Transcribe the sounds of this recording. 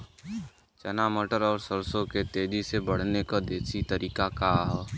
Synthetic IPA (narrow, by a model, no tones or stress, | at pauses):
t͡ʃənaməʈəɾɔːɾsəɾsõket̪eːd͡ʒisebəɽ̤nekad̪eːsit̪əɾiːkakaɦ